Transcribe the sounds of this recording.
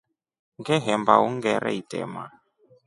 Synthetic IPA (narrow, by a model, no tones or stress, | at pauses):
ŋɡɛɦɛmbauŋɡɛɾʔɛ̰itɛ̰ma